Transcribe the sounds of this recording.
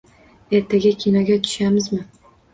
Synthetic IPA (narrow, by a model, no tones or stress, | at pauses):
e̞ɾt̪ʰaɡʲɪkʲʰinɒɡʲat̪ʰʊ̥ʃamɪzmɪ